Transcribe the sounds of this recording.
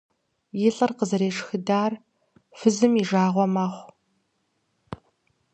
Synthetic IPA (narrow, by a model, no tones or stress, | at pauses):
jɪɬʼɐrqəzɐɾeːʂxɨdaːr | fɨzɨmiʒaːʁʷɔmaχʷ